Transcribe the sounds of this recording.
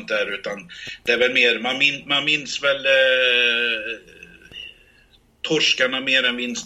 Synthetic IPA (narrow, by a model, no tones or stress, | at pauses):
nt̪æɾʉ̟ːt̪and̪̥ɛæɾvɛlmeːɾmanmɪnmanmɪnːsvɛl | t̪ʰɔʂkaɳameːɾɛnmɪnːs